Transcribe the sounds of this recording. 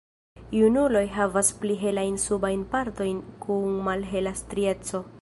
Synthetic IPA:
unulo̞jɦavaspliɦe̞lajnsubajnpaɾt̪o̞jnkuŋmalɦe̞lastɾie̞t͡so̞

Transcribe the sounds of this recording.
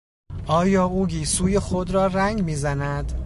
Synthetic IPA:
ʔɒːjɒːʔuːɡiːsuːjexod̪ɾɒːræŋɡmiːzænæd̪

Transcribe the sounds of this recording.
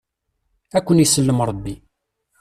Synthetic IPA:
ækʷːənisəlːəmɾˤəbːi

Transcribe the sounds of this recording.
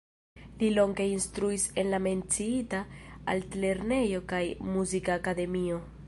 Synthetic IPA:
lilo̞ŋɡe̞instɾuise̞nlame̞nt͡siitaa̰ltle̞ɾne̞jo̞kajmuzikaːkade̞mio̞

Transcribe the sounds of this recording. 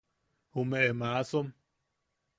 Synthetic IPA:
humeʔemaasom

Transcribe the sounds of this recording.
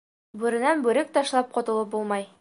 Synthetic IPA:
bʉɾɘ̆nænbʉɾɘk̚t̪ɒʃlˠɑp̚qɒt̪ɤ̆lˠɤp̚bulˠmɑj

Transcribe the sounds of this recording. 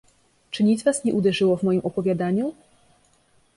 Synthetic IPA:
t͡ʂɘɲid̪zvasɲɛʔud̪ɛʐɘwɔvmɔjimʔɔpɔvʲjad̪aɲu

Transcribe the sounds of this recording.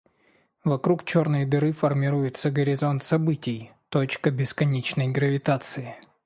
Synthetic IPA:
vɐkɾukt͡ɕo̞rnɨjd̪ɨɾɨfərmʲɪɾujɪt̪səɡəɾʲɪzo̞nt̪sɐbɨtʲɪjt̪o̞t͡ɕkəbʲɪskɐnʲet͡ɕnəjɡɾəvʲɪt̪at̪sɨɪ

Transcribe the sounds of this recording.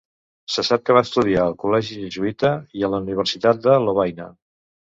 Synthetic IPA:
səsap̚kəβaəst̪uðiaəlˠkulɛʒiʒəzuit̪əiələuniβ̞əɾsit̪at̪̚d̪əloβ̞ajnə

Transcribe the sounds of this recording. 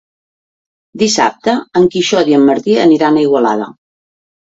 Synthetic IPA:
d̪isa̰p̚t̪əəŋkiʃɔðiəmːəɾt̪iəniɾanəiɣwəla̰ðə̰

